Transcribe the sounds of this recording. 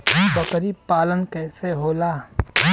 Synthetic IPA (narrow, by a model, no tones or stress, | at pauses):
bɐkɾipaːlənkeseɦoːlaː